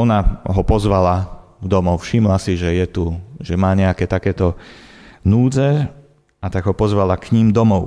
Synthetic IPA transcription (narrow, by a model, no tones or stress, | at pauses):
ɔnaɦɔpɔzʋalad̪ɔmɔʊfʃimlasiʒɛjɛt̪uʒɛmaːɲɛakɛːt̪akɛːt̪ɔ | nuːd͡zɛ | at̪aɡɦɔpɔzʋalakɲimd̪ɔmɔʊ